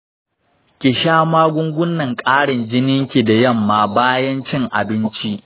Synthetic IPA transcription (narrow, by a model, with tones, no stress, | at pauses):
kʲɪ˨ʃaː˦maː˦ɡʷʊ˦ŋɡʷʊ˦nːɐ˨ŋkʼaː˦ɽɪ˨nd͡ʒɪ˦nɪ˦ŋkʲi˨da˨jɐ˦˨mːaː˨baː˦jɐ˦nt͡ʃɪ˦ŋʔa̰˨bɪ˦nt͡ʃi˦ʔ